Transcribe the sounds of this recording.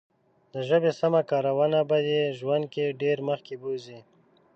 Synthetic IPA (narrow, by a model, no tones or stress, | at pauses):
d̪əʒəbesamakɑɾawanabad̪eʒwand̪̚keɖeɾməxkebozi